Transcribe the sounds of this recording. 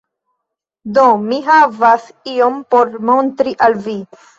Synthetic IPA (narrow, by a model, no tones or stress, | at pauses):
d̪omiɦavas | iompoɾmont̪ɾiʔalvi